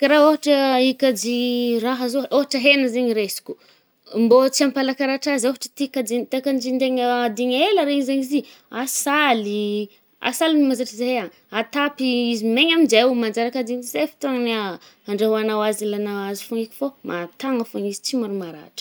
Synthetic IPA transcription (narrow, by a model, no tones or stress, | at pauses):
kɾaoɦaʈ͡ʂəikad͡ʒiraɦəzooɦaʈ͡ʂəɦenəzeɲiɾesi̥kʲu̥ | mbot͡siampalakaɾaʈ͡ʂazoɦaʈ͡ʂə̥t̪ikad͡ʒit̪ekand͡ʒind̪eɲad̪iɲaelaɾeizeɲizi | asali | a̰saliimazaʈ͡ʂizeea | at̪apiizimeɲamind͡ʒewmand͡ʒaɾakad̪iɲzefi̥t̪oŋniaaɳɖ͡ʐeɦuanawazilanawazifoŋikʲi̥fomʔat̪aŋəfoɲizi̥t͡simaɾumaɾa̰ʈ͡ʂə̥